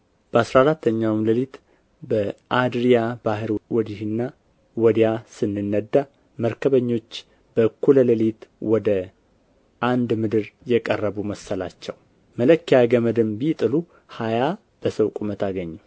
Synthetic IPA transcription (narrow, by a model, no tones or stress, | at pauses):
b̥əasɾahɾat̪ʰːəɲːawmləlit̪ | bəʔad̪ɾijabaɦɨɾwɔd̪ihɨnːa | wɔd̪jasɨnːɨnːəd̪ːa | məɾkʰəβəɲːo̞t͡ʃː | b̥əkʰːulələlit̪wɔd̪ə | ʔand̪mɨd̪ɨɾjɛkʼərːəβuməsːəla̰t͡ʃːɛw | mələkːəjaɡəməd̪ɨmbit̪ʼɨlu | haja | b̥əsəwkʼumət̪aɡəɲːu